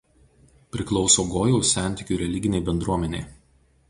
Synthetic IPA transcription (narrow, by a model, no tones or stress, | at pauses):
pʲɾʲɪklˠɒʊsoːɡoːjɛʊsʲæˑnʲˑt̪ʲɪkʲuːɾʲɛlʲɪɡʲɪnʲeɪbʲɛnd̪ɾuɔmʲɛnʲeɪ